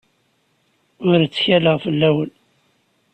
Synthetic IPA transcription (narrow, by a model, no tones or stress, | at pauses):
ʊɾt͡sːçæləʁfəlːæwəl